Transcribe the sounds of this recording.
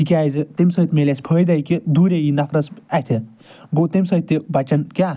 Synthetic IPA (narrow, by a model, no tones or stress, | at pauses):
ikʲajzɨt̪emʲsəːt̪melʲasʲpʰəːjd̪ɐjkid̪uːɾʲejinɐfʰɾɐsat̪ʰɨ | bot̪emʲsɐt̪ʲːibɐt͡ʃɐnkʲa